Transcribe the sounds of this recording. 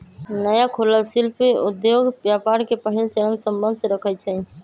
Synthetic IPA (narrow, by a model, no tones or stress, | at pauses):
nəjakʰoləlsilpeud̪joɡbjapaɾkepəɦilt͡ʃəɾənsəmbənd̪ʱsẽɾəkʰət͡ʃʰɛ